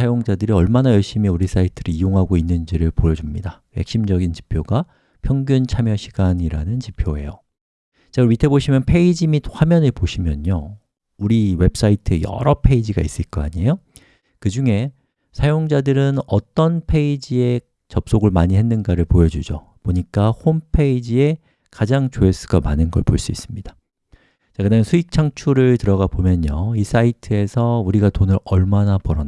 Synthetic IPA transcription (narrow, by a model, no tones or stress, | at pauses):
ajoŋd͡ʑadɯɾiʌɭmanajʌɭɕ͈imiuɾis͈aitʰɯɾɯijoŋɦaɡoinːɯnd͡ʑiɾɯɭpojʌd͡ʑumɲida | je̞̰k̚ɕ͈imd͡ʑʌɡint͡ɕi̥pʰjoɡa | pʰjʌŋɡjunt͡ɕʰamjʌɕʰiɡ̥aɲiɾanɯnt͡ɕipʰjoe̞jo | t͡ɕaɯɥitʰe̞boɕʰimjʌnpʰe̞id͡ʑimithwamjʌnepoɕʰimjʌɲo | uɾiwe̞p̚s͈aitʰɯejʌ̰ɾʌpʰe̞id͡ʑiɡa̰is͈ɯɭk͈ʌa̰ɲejo | kɯd͡ʑuŋe̞ | sʰajoŋd͡ʑadɯɾɯnʌt͈ʌnpʰe̞id͡ʑie̞ | t͡ɕʌp̚s͈oɡɯɭmaɲiɦe̞nːɯnɡaɾɯɭpojʌd͡ʑud͡ʑo̰ | poɲik͈ahompʰe̞id͡ʑie̞ | kad͡ʑaŋt͡ɕoes͈ɯ̥ɡamanɯnɡʌɭpoɭs͈uis͈ɯmɲid̥ḁ | t͡ɕakɯdajnsʰuik̚t͡ɕʰaŋt͡ɕʰuɾɯɭtɯɾʌɡabomjʌɲois͈aitʰɯe̞sʰʌuɾiɡatonɯɾʌɭmanapʌɾʌn